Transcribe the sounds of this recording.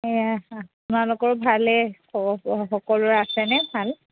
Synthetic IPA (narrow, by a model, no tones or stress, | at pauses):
japʊnalʊkɔɹbʱalɛ | ɔxɔkɔlʊɹasɛnɛbʱal